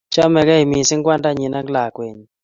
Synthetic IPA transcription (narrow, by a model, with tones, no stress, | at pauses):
t͡ʃɔ˦mɛ˨ɡɛ˦i˨mi˨sɪ˦ŋɡwa˦nda˦ɲi˨na˦ɡla˨kwe˨ɲ˨